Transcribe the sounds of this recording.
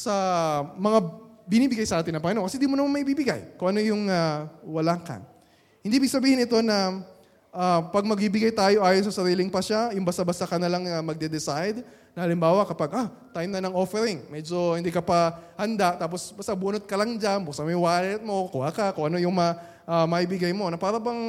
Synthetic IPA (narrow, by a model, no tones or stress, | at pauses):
sɐmɐŋabɪniːbɪɡajsɐʔaːt̪ɪnɐpɐŋɐnoŋkɐsɛd̪imonɐmanmɐʔɪbibɪɡa̰jkʊŋʔɐno̞jʊŋawɐlakɐ̰ | hɪnd̪ibɪɡ̚sɐbiːhɪnɪt̪o̞nɐ | ʔapɐɡ̚mɐɡ̚bibɪɡajt̪aːjo̞ʔaːjonsɐsɐɾiːlɪŋpɐʃajʊŋbast̪abast̪akɐnɐlaŋnɐmɐɡ̚d̪ɛd̪ɛsajd̪ | nɐhɐlɪmbaːwɐkɐpaɡʔa | t̪ajmnɐnɐŋʔo̞fɛɾɪŋmɛd͡ʒo̞hɪnd̪ikɐpɐhɐnd̪at̪aːp̬o̞sbast̪abuːnot̪̚kɐlɐŋd͡ʒambʊksɐmɐjwaːlɛt̪̚mo̞kʊakɐkʊŋʔɐno̞jʊŋm | ʔamɐʔibɪɡajmo̞nɐpaːɾɐbɐŋ